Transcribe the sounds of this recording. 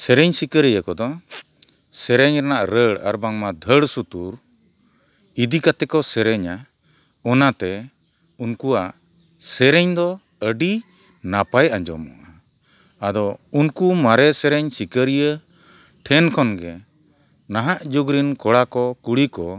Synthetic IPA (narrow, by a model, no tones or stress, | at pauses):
sɛɾɛɲsikəɾijəkɔd̪ɔ | sɛɾɛɲɾanaʔɾəɽa̰ɾbaŋmad̪ʱəɽsut̪uɾ | id̪ikat̪ɛkɔsɛɾɛɲa | ɔnat̪ɛ | unkua | sɛɾɛɲd̪ɔ | əɖi | napajaɲd͡ʒɔ̰mɔ̰ʔa | ad̪ɔunkumaɾɛsɛɾɛɲsikəɾijə | ʈʰɛnkʰɔnɡɛ | naɦaʔd͡ʒuɡɾinkɔɽakɔkuɽikɔ